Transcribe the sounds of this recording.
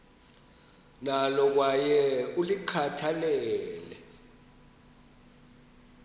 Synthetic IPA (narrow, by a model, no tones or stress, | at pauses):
nalɔk̬wajɛulikʰatʰalɛɛːlɛ̰